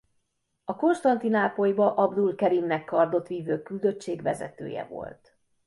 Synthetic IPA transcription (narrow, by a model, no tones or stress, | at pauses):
ɒko̞nʃt̪ɒnt̪inaːpojibɒʔɒbd̪ulkɛɾimnɛkːɒrd̪o̞t̪ʋiːvøːkyld̪ø̞t͡ʃːeːɡʋɛzɛ̰t̪ø̰ːjɛ̰vo̞̰lt̪